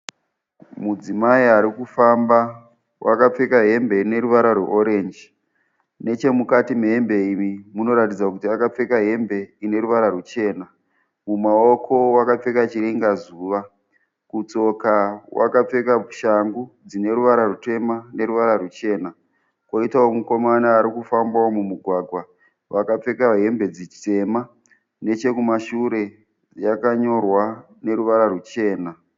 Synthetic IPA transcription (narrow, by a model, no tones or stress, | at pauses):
mud͡zimaiaɾikufamba | wʔakap͡fe̞kaɦe̞mbe̞ine̞ɾuʋaɾarwḛʔoɾe̞nd͡ʒ | ne̞t͡ʃe̞mukatimeɦembe̞imimuno̞ɾatid͡zakutiakap͡fe̞kaɦe̞mbe̞ine̞ɾuʋaɾarut͡ʃe̞ːna | mumao̞kʰo̞wakap͡fe̞kat͡ʃiɾeŋɡazuːʋa | kut͡so̞kawʔa̰kap͡fe̞kabuʃaŋɡud͡zine̞ɾuʋaɾarute̞mane̞ɾuʋaɾarut͡ʃe̞ːna | kwo̞itaomuko̞manaːɾikufambaomumuɡʱwaɡʱwa | ʋakap͡fe̞kaɦe̞mbe̞d͡zit͡ʃte̞ma | ne̞t͡ʃe̞kumaʃuɾe̞ | jakaɲo̞rwa | ne̞ɾuʋaɾarut͡ʃe̞ːna